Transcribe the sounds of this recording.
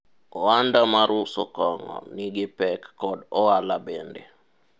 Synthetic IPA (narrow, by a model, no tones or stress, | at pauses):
ɔandamaɾusɔ̰kɔŋɔ̰niɡɪpɛkːɔdɔalabendḛ